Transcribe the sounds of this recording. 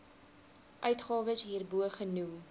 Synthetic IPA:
ʔœɥtχɑːvəsɦiːrbuəχənum

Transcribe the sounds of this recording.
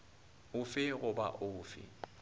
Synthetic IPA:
ʊfɪɣʊba̰ʔʊːfɪ̰

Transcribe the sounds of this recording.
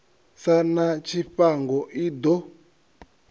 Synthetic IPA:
sanat͡ʃiɸaŋɡɔʔidɔ

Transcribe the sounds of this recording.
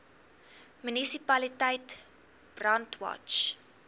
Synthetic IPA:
mynisipɐlitəjt | b̥rantwɑ̰t͡ʃ

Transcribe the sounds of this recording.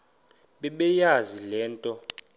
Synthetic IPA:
ɓɛɓɛjazilɛːntʼɔ

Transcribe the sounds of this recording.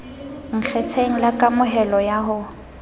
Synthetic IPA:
ŋ̩t͡ɬʰɛt͡sʰeŋ̩lakʼamʊɦɛlɔjaɦʊ

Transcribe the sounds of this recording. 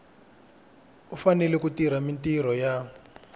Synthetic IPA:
ufanɛlɛkutiɾamintiɾɔja

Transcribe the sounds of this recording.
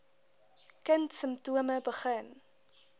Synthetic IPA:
kəntsəmtuəməbəχən

